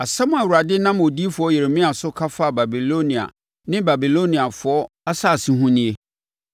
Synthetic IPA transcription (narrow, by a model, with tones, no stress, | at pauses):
a˨sɛ˦mʊ̃˦a˨wu˨ɾa˨dɪ˦nã˦m˨o˨di˦fʊ˨ɔ˦je˨ɾe˨mĩ˦a˨sʊ˦kʰa˦fa˦˨ba˨bi˨lo˦nĩ˨a̰˨ | nɪ̃˦ba˨bi˨lo˦nĩ˨a˨fʊ˨ɔ˦ | a˦sa˦˨sĩ˦ɦũ˦nĩ˦e˦